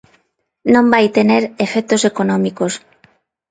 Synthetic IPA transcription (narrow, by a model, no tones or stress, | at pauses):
nõmbajt̪eneɾefek̚t̪osekonõmikos